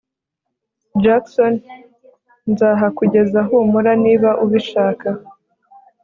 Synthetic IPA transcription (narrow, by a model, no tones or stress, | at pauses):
d͡ʒakson | nzaːɦakuɟe̞zaɦumuɾaniːβaʔuβiʃaːka